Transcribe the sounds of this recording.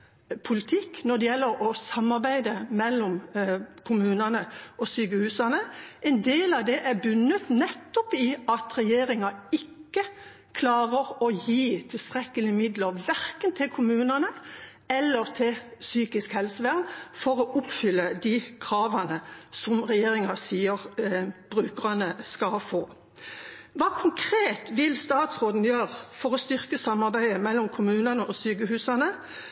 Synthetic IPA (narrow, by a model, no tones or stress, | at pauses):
pʰʊlɪt̪ʰɪknɔd̪ɛjɛlːəɾɔsɑmːɑʁbæɪd̪əmɛlːɔmkʰʊmʉːnɑnəɔsyːɡəhʉːsɑnəɛɪnd̪eːlɑʋd̪ɛʔæbʉnːət̪nɛt̪ːɔpiːɑt̪ɾɛjeːɾɪŋɑɪkːə | kʰlɑːʁəʁɔjiːt̪ʰɪlst̪ʁɛkəlɪmɪd̪ləʁʋæɾkənt̪ʰɪlkʰʊmʉːnɑnə | ɛlːəʁt̪ʰɪlsyːkɪskhɛlsəʋæʁnfɔʁɔʔʊpfʏlːəd̪ikʰʁɑːʋɑnəsɔmʁɛjeːʁɪŋɑsiːəʁb̥ʁʉːkəʁɑnəskɑfoː | ʋɑːkʰʊŋkʰʁeːt̪ʋɪlst̪ɑːt̪sʁoːd̪n̩jøːʁfɔʁɔst̪ʏʁkəsɑmːɑʁbæɪəmɛlːɔmkʰʊmʉːnɑnəʔɔsyːkəhʉːsɑnə